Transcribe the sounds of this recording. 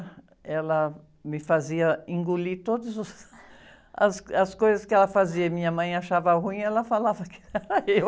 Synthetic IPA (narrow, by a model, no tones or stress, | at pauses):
ɛlɐ | mɪfaziɐĩŋɡulit̪od̪ʊzʊs | ɐsɐskojzɐskɪɛlɐfaziɐmĩɲɐmɐ̃j̃aʃavhũĩɛlɐfalavɐkɪ̥ɛɾɐew